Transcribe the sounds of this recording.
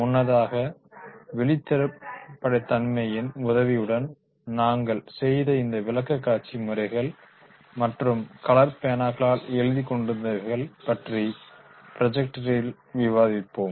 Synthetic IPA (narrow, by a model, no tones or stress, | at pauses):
mʊnːɐðaːɣɐ | ʋɛɭɪt̪ːɛɾɯpːɐɽɐɪt̪ːɐnmɐjɪnʊðɐʋɪjɯɽɐn | naːŋɡɐɭsɛjðɐɪnd̪ɐʋɪlɐkːɐkːaːt͡ʃimɯɾɐɪɣɐɭ | mɐʈrɯmkɐlɐɾpejnaːkɐɭaːlɛɻɯðikːɔɳɖɪɾɯnd̪ɐʋɐɾɣɐɭpɐʈri | pɪɾɐd͡ʒɛk̚ʈɾɪl | ʋɪʋaːðɪpːoːm